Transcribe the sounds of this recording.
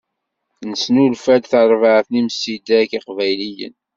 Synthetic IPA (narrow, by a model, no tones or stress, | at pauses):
nəsnulfælθəɾˤvʕθnimsid̪ækiqvæjlijə̰n